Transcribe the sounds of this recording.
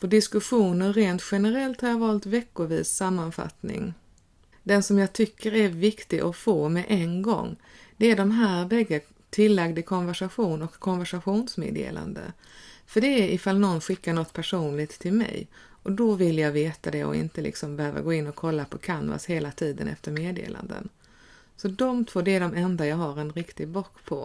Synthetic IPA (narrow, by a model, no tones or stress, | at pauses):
fɔɖɪskɵɧuːnənɾeːnt̪ɧɛnəɾɛlt̪haɾjɑːvɑːlt̪vɛkːʊɾviːsːamːanfa̰t̪nɪ̰ŋ | d̪ɛnsɔmjɑːɡt̪ʰʏkːəɾæɾvɪkt̪ɪɡʔɔfoːmɛʔɛnɡɔ̰ŋː | d̪̥ɛæɖɔmɦæːɾbɛɡːə | t̪ʰɪlːaɡd̪ɪkʰɔnvæʂaɧuːnɔkʰːɔnvæʂaɧuːnsmḛːd̪ḛːla̰nd̪ə̰ | fœɖɛːɾʔɪfalːnɔnːɧɪkːaɳɔt̪ːpʰæʂuːnlɪɡt̪ʰːɪlmɛ̰j | ʔɔd̪ɔvɪljɑːveːt̪ad̪ɛɔ̰ɪ̰nt̪əlɪ̰ksɔmbɛhøːva̰ɡoːɪnːɔkʰɔlːapʰɔkʰanva̰sheːlat̪ʰiːd̪ə̰nʔɛ̰ft̪əɾmeːd̪ḛːlʔa̰nd̪ə̰n | sɔd̪ɔmt̪ʰv̥oːɖɛːɖɔmɛnd̪ajɑːɡɦaɾɛnɾɪkt̪ɪɡblɔkːpʰɔ